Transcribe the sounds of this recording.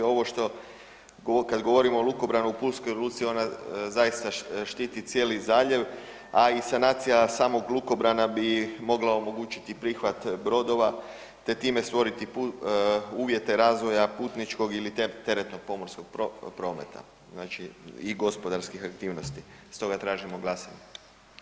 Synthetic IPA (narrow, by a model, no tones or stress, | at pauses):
o̞ʋoʃt̪o̞ | kad̪ɡo̞ʋo̞ɾimoːlˠuko̞bɾanuupulskojoluːt̪sio̞nazajist̪aʃt̪iːt̪it̪sʲje̞ːlizaːʎe̞ʋ | aisanaːt̪sijasaːmo̞ɡlˠuko̞bɾanabimo̞ɡlao̞mo̞ɡuːt͡ʃi̥t̪ipɾiːxʋat̪bɾo̞d̪o̞ʋa | t̪e̞t̪iːme̞st̪ʋo̞ɾit̪ipu | uːʋje̞t̪e̞ɾaːzʋo̞japuːt̪nit͡ʃko̞ɡilit̪et̪e̞ɾet̪no̞ɡ̚po̞mo̞ɾsko̞ɡ̥̚popɾo̞ːme̞̰t̪ʰa̰ | znaːt͡ʃiiɡo̞spo̞d̪aɾskixakt̪iːʋno̞st̪i | st̪o̞ɡat̪ɾaːʒimo̞ɡlˠasa̰ɲe